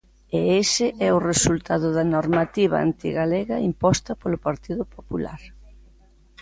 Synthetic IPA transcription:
eesɪʔɛʊresult̪aðʊðɐnoɾmat̪iβɐ̰a̰nt̪ḭɣaleɣɐimpɔst̪ɐpolʊpaɾt̪iðʊpopula̰ɾ

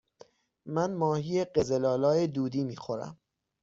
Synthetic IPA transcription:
mænmɒːhijeɢe̞zelɒːlɒːjed̪uːd̪iːmiːxo̞ɾæ̰m

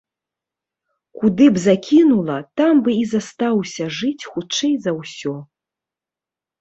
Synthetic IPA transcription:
kud̪ɨbzakʲinulˠɐt̪ambɨizast̪awsʲɐʐɨt͡sʲxut͡ʂɛjzɐwsʲɔ

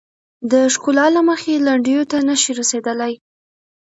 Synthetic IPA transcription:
d̪əʃkolɑlaməxelaɳɖəjot̪anaʃiɾased̪əlaj

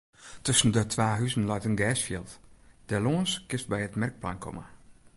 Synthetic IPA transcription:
tɵsn̩dətʰʋaːɦyzən̩lajtənɡɛːsfiəlˠtd̥əloːənskɪst̚bɛjətmɛrk̚plankʰɔ̰mə̰

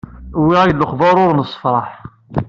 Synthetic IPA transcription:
wiʁæjlːəχðɑɾˤʊɾnəsˤːə̥fɾˤɑħ

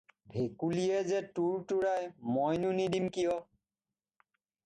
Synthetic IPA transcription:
bʱekulijɛzɛtuɹtuɹajmɔjnunidimkijɔ

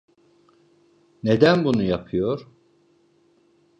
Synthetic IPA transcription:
ne̞d̪ænbunujapʰɯjo̞ɾ̥

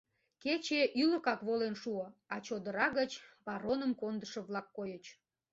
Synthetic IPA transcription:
ket͡ɕeʔyləkɑkβolenʃuəɑt͡ɕod̪əɾɑɣət͡ɕβɑɾonəmkond̪əʃə̆βlɑkːojət͡ɕ

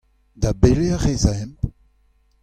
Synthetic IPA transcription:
d̪abeleaʁezaɛ̃mp

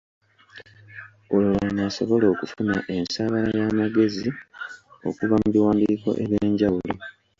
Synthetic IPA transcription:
olulanaːso̞βo̞lo̞ːkufuna̰ʔe̞nsaːβalajaːmaɡe̞zi | o̞̰kuvamuβiwaːndiːko̞̰ʔe̞βjeːɲɟawulo

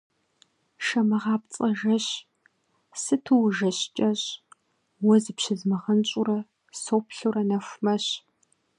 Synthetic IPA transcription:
ʃɐmɐʁɑːp̚t͡sʼɐʒɐɕ | sɨtʰuwʒɐɕt͡ʃʼɐɕ | wɔzɨpɕɪzmɐʁɐnɕʼʊrɐ | soːpʰɬurɐnɐxʷmɐɕ

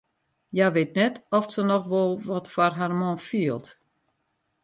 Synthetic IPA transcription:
jaʋeːt̚nɛtɔfsənɔxʋɔlˠʋɔtfarɦarmɔ̃nfiəlˠt

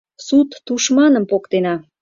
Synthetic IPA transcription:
sut̪ːuʃmɑnəmpokt̪enɑ

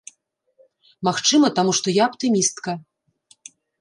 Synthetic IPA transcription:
maxt͡ʂɨmɐt̪amuʂt̪ɔjaːpt̪ɨmʲist̪kɐ

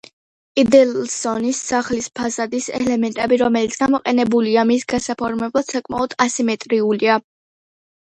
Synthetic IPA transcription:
id̪ɛlsɔnisːaχlispʰazad̪isɛ̰lɛmɛnt̪ʼɛbiɾɔmɛlit̪sʰɡ̥amɔqʼɛnɛbuliamisɡasapʰɔɾmɛblˠad̪̥sakʼma̰ɔd̪̥asimɛt̪ʼɾiulia

